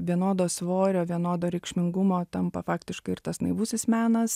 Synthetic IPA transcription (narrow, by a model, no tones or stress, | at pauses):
ʋʲiɛnoːd̪oːsʋoːɾʲoːʋʲiɛnoːd̪oːɾʲɛɪkʃʲmʲɪŋɡʊmoːt̪ɐmpɐ̰fɑːkt̪ʲɪʃkɐɪɪrt̪ɐsnɐɪʋusʲɪsmʲæːnɐs